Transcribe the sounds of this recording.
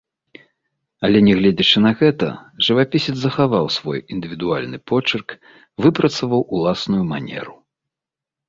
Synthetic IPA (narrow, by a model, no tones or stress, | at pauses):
ɐlʲɛnʲɛɣlʲɛd͡zʲit͡ʂɨnɐɣɛt̪ɐ̰ʐɨvapʲisʲɛd̪zɐxavawsvɔ̰jind̪ɨvʲid̪ualʲnɨpɔt͡ʂɨrk | vɨpɾɐt̪sɐvɐwulˠasnujumanʲɛ̰ɾu